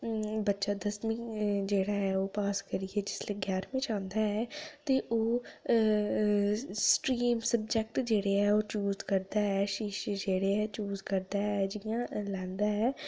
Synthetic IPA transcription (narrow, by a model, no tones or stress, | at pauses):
bətːʃaːd̪əsmĩːd͡ʒeːɽaːɦɛːoːpaːskəɾieːd͡ʒɪsleːɡjaːɾmẽːt͡ʃãːnd̪aːɛːt̪eːʔoː | sʈɾiːmsəb̚d͡ʒɛk̚ʈd͡ʒeːɽeːɛːoːt͡ʃuːzkəɾd̪aːɛːʃiːʃd͡ʒeːɽeːɛːt͡ʃuːzkəɾd̪aːɛd͡ʒɪjãːlɛ̃ːnd̪aːɛː